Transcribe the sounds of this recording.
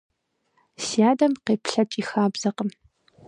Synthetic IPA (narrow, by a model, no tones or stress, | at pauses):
siaːdɐmqeːpɬɐt͡ʃʼiːxaːbz̥ɐqəm